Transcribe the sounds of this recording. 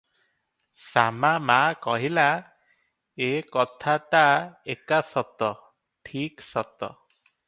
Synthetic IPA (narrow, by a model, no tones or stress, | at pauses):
samamakɔɦila | ekɔt̪ʰaʈaekasɔt̪ɔ | ʈʰiksɔt̪ɔ̰